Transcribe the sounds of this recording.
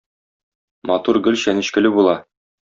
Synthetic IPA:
mɒt̪uɾɡɵ̆lɕænɘ̆ɕkɘ̆lɘbulˠɑ

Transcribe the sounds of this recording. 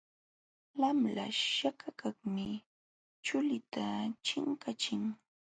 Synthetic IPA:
lamla̰ʃakakaχmɪ | t͡ʃʊlɪt̪ʰat͡ʃɪŋkat͡ʃɪŋ

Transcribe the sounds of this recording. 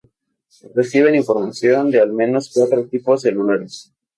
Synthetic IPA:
resiβ̞e̞niɱfo̞ɾmasjo̞nd̪ealmẽ̞no̞skwat̪ɾot̪ipozðeluneɾes

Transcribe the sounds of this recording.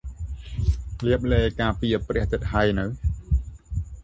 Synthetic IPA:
liəp̚lɛːkaːpiəprɛ̆əht̪ɨt̪̚hajnɨw

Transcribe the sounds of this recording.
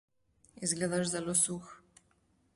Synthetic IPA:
izɡlɛd̪aʐzalɔsux

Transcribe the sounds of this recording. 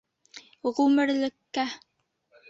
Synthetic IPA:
ʁʉmɘ̆ɾlɘ̆kːæ

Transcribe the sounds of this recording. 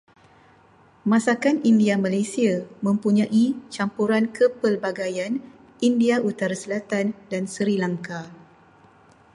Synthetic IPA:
mãsakanindiamalasiamə̃mpuɲãʔit͡ʃampuɾankʰəpərbaɡajan | indiaʔut̪aɾasəlat̪andansəɾilaŋka

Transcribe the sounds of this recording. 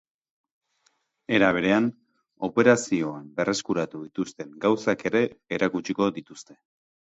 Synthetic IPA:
e̞ɾaβ̞e̞ɾe̞an | o̞pe̞ɾasio̞ambe̞rʔe̞skuɾat̪uðit̪ust̪e̞ŋɡawsake̞ɾe̞ːɾakut͡ʃiko̞ðit̪ust̪e̞̥

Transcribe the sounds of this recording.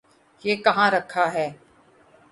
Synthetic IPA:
jeːkɐɦãɾɐkʰːaɦɛː

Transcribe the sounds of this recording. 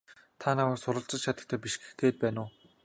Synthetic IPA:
t̪ʰanaməːksʊɾə̆ɬt͡sə̆t͡ɕt͡ɕʰat̪ə̆k̚t̪ʰæːpiʃɡe̥xɡeːt̪̚pæːnʊː

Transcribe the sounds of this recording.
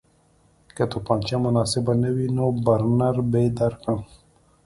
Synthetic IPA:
kat̪upant͡ʃamʊnɑːsɪbanawinobaɾnaɾbed̪aɾkən

